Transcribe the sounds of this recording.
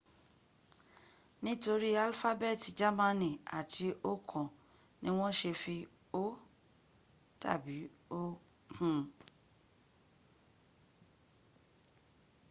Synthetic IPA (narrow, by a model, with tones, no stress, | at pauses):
nĩ˦to˧ɾi˦a˧lfa˦bɛ˦˨ti˨d͡ʒa˦mã˧nĩ˨a̰˨ti˧o˦kʰɔ̃˨ | nĩ˦w̃ɔ̃˦ʃe˧fi˧ | o˦ | ta̰˦˨bi˨˦o˦ | kʰũ˨